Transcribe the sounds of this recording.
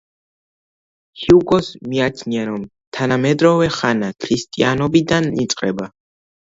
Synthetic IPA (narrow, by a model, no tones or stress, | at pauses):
hiuɡɔsmiat͡ʃʰniaɾɔm | t̪ʰanamɛd̪ɾɔvɛχanakʰɾist̪ʼianɔbid̪anit̪sʼqʼɛba